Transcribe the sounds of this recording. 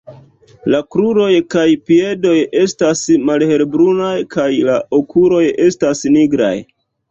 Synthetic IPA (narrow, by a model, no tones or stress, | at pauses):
lakɾuɾo̞jkajpie̞do̞je̞stasmalhe̞lbɾunajkʰajlaokuɾo̞je̞stasniɡɾa̰j